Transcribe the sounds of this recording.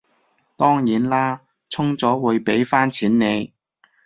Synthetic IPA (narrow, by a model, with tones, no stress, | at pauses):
t̪ɔː˥ŋjiː˨˥nlaː˥ | t͡sʰʊ˥ŋt͡sɔː˨˥wuː˨˧jpe˨˥jfaː˥nt͡sʰiː˨˥nne˨˧j